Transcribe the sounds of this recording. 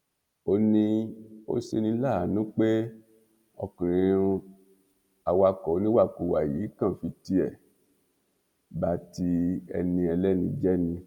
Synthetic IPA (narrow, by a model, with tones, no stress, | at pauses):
o˧nĩ˧o̰˦ʃe˧nĩ˧˦la˦˨a˨˦nũ˦k͡pe˦ | ɔ˧˨kĩ˨ɾĩ˨˧˦ũ˧ | a˨wa˧kɔ˨˦nĩ˦wa˦˨ku˨wa˨ji˨˦kã˦˨fi˧ti˧˦ɛ˦˨ | ba˨˦ti˧ɛ̰˧nĩ˧ɛ˧lɛ˦nĩ˧d͡ʒɛ˦nĩ˧